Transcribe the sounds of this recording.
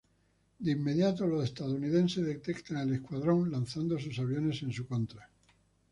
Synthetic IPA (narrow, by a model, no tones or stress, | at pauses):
d̪eimːe̞ðjat̪olose̞st̪aðuniðẽ̞nse̞zðet̪e̞kt̪aŋe̞le̞skwaðɾo̞ŋlanθand̪o̞s̬usaβ̞jo̞ne̞sẽ̞nsuko̞nt̪ɾa